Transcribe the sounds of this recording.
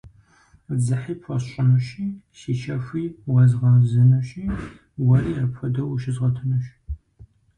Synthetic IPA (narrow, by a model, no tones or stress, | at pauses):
d͡zɨħiːpxʷɔɕɕʼɪnɐɕiːʃit͡ʃʰɐxʷiːwɐzʁɐzɨnɐɕʼiː | wɐriːrɨpfʷɐdɐwuʃɪzʁɐtʰɨnɐɕ